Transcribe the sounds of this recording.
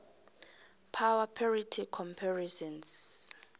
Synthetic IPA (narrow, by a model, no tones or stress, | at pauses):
pʰawapʰaritʰikʰɔmpʰaɹisɔns